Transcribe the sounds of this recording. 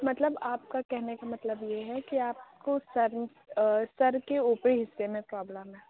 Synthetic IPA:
mɐt̪ləbaːp̚kakɛɦnekamɐt̪ləbjeɦɛkiaːp̚kosɐɾ | sɐɾkeuːpɾiɦɪsːemẽpɾɔːbləmɦɛː

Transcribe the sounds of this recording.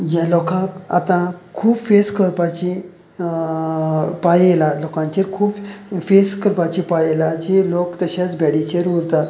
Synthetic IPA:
jalɔkãka̰t̪ãkʰuːbfeskʰəɾpat͡ɕi | pajelalokãɲt͡ɕeɾkʰuːbfeskəɾpat͡ɕipajelad͡ʑelokt̪əɕat͡sbʱɛɽit͡ɕeɾuɾt̪a

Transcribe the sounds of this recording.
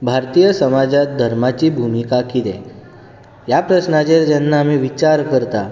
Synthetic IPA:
bʱaɾt̪ijəsəmad͡ʑat̪̚d̪ʱəɾmat͡ɕiːbʱumikakit̪ɛ | japɾəsnat͡ɕeɾd͡ʑanːaːm̤iʋit͡ɕaɾkəɾt̪a

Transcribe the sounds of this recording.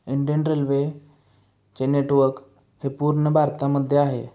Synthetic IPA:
iɳɖənɾelʋe | t͡ɕeneʈʋəɾk | hepuɾɳəbʱaɾt̪aməd̪ʱːjeaɦḛ

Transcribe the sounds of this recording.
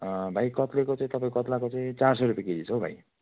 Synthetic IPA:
bʱajkʌt̪lekot͡saĩt̪ʌpãĩkokʌt̪lakot͡saĩt͡sars̬ʌɾupjekidit͡sʰʌwbʱa̰j

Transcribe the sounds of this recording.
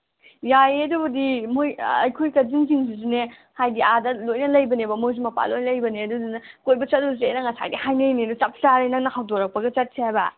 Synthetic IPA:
jajedubɐdimojɐjkʰojkɐziŋs̬iŋs̬iz̬ine | hajdiadɐlojnɐlɐjbɐnebɐmojz̬imɐpa̰lojnɐlɐjbɐneɐdudinɐkojbɐt͡ʃɐt̚us̬eḛjnɐŋɐsa̰jdihajnejnidut͡ʃɐp̚ʰsaɾenɐnɐhawdoɾɐk̚pɐɡɐt͡ʃɐt̚sʰiɦajbɐ̰

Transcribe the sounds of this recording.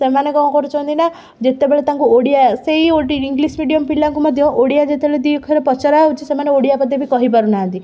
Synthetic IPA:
semanekɔmkɔɾut͡ʃʰɔ̃nt̪ina | d͡ʒet̪ebeɭet̪aŋkuoɽijaseɦioʈiiŋɡlismiɽijɔmpilːaŋkumɔd̪ʱjɔʔoɽijad͡ʒet̪ebeɭed̪ikʰɔɾepɔt͡ʃɔɾaɦut͡ʃʰisemaneoɽijapɔd̪ʱjɔbʱikɔɦipaɾunaɦənt̪i

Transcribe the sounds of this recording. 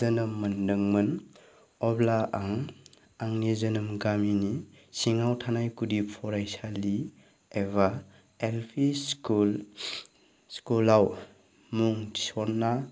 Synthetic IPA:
ənɯmːɯndɯŋmɯn | ɔblaʔaŋ | aŋnizɯnɯmɡamini | siŋawtʰanajkudipʰɔɾajsali | eβa | elpʰiskul | skulaw | muŋisɔɾnːa

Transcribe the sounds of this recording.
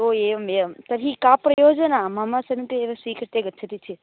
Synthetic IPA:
oemet̪əɾikapɾɐjoːd͡ʒənamamasɐnit̪eeʋsʋikɾt̪eɡət͡ʃʰət̪it͡ʃʰe

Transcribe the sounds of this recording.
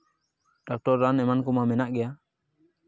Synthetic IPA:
dɔk̚tɔrːanɛmankumamɛnaʔɡɛa

